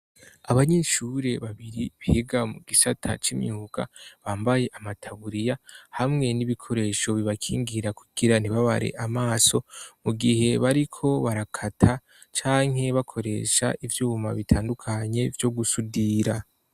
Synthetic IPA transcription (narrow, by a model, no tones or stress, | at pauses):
aβaɲeʃuɾe̞βaβiɾiβiheɡamuɡisatʰa̰t͡ʃimɲuːɡa̰βaːmbaje̞ʔamatʰaβuɾijahamŋe̞niβikʰo̞ɾe̞ʃo̞βiβakʰiːŋɡiɾakuɡ̥iɾan̥iβaβa̰ɾḛʔamaːso̞muɡihe̞βaɾikʰo̞βaɾakʰatʰa | t͡ʃaːŋ̥ɦe̞βakʰo̞ɾe̞̰ːʃa̰ʔivjuːma̰βitʰaːndukʰaɲe̞vjo̞ɡusudiːɾa